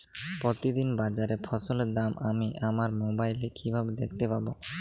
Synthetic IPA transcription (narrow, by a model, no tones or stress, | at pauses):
pɾot̪id̪inbad͡ʑaɾefʰɔsoled̪amamiʔamaɾmobajlekʰibʱabed̪ek̚ʰt̪epabo